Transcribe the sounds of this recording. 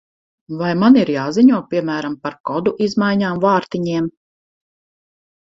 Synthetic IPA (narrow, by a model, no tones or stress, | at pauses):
vajmaniɾjaːziɲuɔpʲiɛmæːɾampaɾkɔd̪uʔizmajɲaːmvɑːɾt̪iɲiɛm